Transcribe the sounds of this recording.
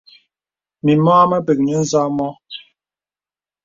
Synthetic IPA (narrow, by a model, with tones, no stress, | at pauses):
mi˨mɔː˦mə˦bə˨k̚ɲə˦n̩˦za˦mɔ˦